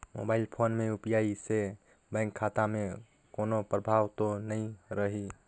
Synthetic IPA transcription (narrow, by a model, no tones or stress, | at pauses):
mo̰baɪlpʰoːnmeupjaise | bɛ̃ŋkʰːat̪ame | koːnopɾəbʱaːʋt̪onəĩɾəɦi